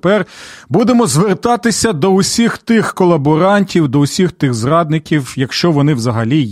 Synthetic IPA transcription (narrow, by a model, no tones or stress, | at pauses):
pɛrbud̪emɔzʋert̪ɑt̪ɪsʲɐd̪ɔʊsʲixt̪ɪxkɔlˠɐbɔɾɑnʲtʲiwd̪ɔʊsʲixt̪ɪɣzrɑd̪nɪkʲiwjɐkʃt͡ʃɔʋɔnɪwzɐɦɐlʲi